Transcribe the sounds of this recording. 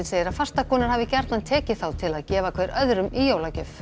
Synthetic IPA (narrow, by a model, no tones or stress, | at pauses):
ɪnseːjɪɾaðfar̥st̪akʰɔːnaɾ̥havɪcɛɾ̥t̪nant̪ʰɛːcɪθawt̪ʰɪlaðcɛːvakʰvɛːɾœðɾʏmijoːwlacʏf